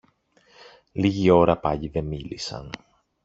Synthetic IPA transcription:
liʝio̞ɾɐpɐʎiðe̞milisɐ̰n

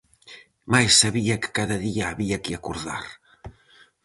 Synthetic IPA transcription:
majsaβiakə̥kaðɐðiaːβiakiakuɾða̰ɾ

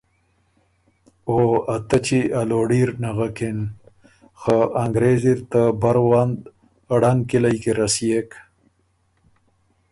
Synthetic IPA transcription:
oat̪ət͡ʃialoɖiɾnaɣaken | xaaŋɡɾeziɾt̪abaɾwand̪ | aɽankilajkeɾasjek

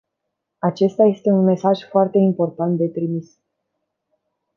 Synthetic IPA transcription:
at͡ʃe̞st̪aje̞st̪e̞unme̞saʒfoart̪e̞impo̞rt̪ant̪̚d̪e̞t̪ɾimis

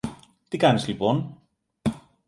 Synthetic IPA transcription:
t̪ikɐnizlipo̞n

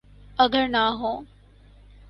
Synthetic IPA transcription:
əɡəɾnaɦõː

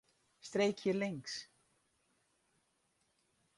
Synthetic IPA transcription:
st̪ɾeːjcçɛɾlejŋks

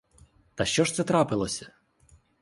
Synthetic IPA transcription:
t̪ɐʃt͡ʃɔʃt̪sɛt̪ɾɑpɪlˠɔsʲɐ̥

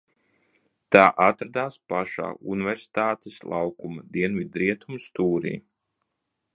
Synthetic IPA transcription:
t̪aːʔat̪ɾad̪aːspaʃa̰ːṵnivɛɾsi̥t̪aːt̪eslˠʔɑwkumad̪iɛnvid̪ɾiɛt̪ʰumst̪uːɾḭː

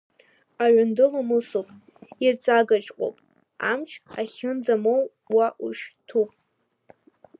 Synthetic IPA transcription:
aɥʊndɨlamɨsopʼ | irt͡sʼaɡat͡ʃʼqʷʼo̰pʼ | a̰mt͡ʃʰaχʲɪnd͡zamow | waʔuʃtʰupʼ

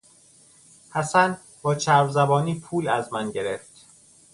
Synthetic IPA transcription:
hæsæn | bɒːt͡ʃʰæɾvzæbɒːniːpʰuːlæzmænɟe̞ɾeft̪

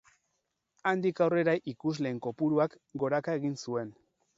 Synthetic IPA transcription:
and̪ikawre̞ɾaʔikuzle̞ːŋko̞puɾuak | ɡo̞ɾakae̞ɣinsue̞n

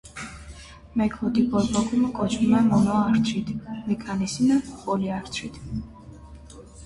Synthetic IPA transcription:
mɛkʰɔd̪ipʼɔɾbɔkʰʼumkʼɔt͡ʃʰnmɛmɔnɔaɾt̪ʰɾit̪ʰmɛkʰanisinapʼɔliaɾt̪ʰɾit̪ʰ

